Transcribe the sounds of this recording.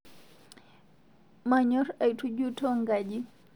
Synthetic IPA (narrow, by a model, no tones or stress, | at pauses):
maɲɔɾajtʰud͡ʒutʰɔŋɡad͡ʒi